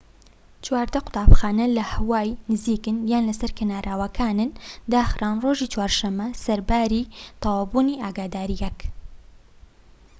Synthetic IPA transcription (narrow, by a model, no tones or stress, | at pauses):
t͡ʃwaːɾd̪ɐqʊ̥t̪ʰaːpxaːnɐlɐhɐwaːjnɨziːkɨnjaːnlɐsɐɾkɐnaːɾʔaːwɐkʰaːnɨnd̪aːxraːnroːʒiːt͡ʃwaːɾʃɐmːɐsɐɾbaːɾiːt̪ʰɑwaːbuːniʔaːɡaːd̪aːɾijɛk